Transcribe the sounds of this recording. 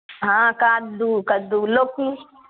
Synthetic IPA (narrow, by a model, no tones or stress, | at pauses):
ɦãkaːd̪ukɐd̪uloki